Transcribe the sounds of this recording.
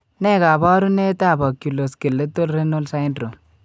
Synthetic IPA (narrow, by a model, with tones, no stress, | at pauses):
ne˦˨ɡa˨bɔ˦ɾu˦ne˦ta˦˨bɔ˨kju˨lo˨ske˨lːe˦to˦lɾe˦no˦lsa˦jndɾo˨